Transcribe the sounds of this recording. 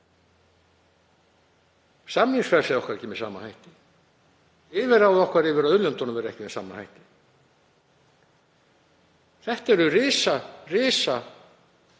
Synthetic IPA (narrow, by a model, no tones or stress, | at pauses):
samniŋsfɛɾ̥sɛɔhkvaɾcɪːmɪsa̰ːmanhajht̪ɪ̥ | ɪvɪɾawɔhkvaɾɪvɪɾaðʏðljɔnt̪ɔnʏmvɛɾɛhcɪmɛsa̰ːmːanhajht̪ɪ̥ | θɛht̪ɛɾʏrɪːsarɪːsa